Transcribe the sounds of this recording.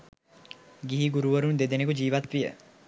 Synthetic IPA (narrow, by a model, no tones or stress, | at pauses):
ɡiɦiɡuɾuʋəɾund̪ed̪enekud͡ʒiːʋat̪ʋijə̰